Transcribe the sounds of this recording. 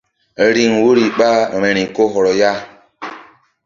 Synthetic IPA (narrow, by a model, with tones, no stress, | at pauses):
ɾi˦ŋwo˦ɾi˨ɓa˦˨ɾɛ˨ɾĩ˨ko˦ɦɔ˨ɾɔ˨ja˦